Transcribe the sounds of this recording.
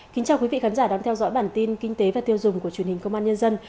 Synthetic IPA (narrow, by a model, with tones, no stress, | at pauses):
kï̟˨˦t͡ɕaː˨˩wkwi˨˦vḭ˧˨xaː˨˦nzaː˧˩ɗaː˨˧˩ŋt̪ʰɛ˧wzɔ̰ː˧˥jɓaː˧˩nt̪i˧nki˧ŋ̟t̪e˨˦vaː˨˩t̪i˧əwzʊ˨˩ŋ͡mku˧˩ət͡ɕwi˨˩ənhi˨˩ŋ̟kə˧wŋ͡mʔaː˧ɲə˧nzə˧n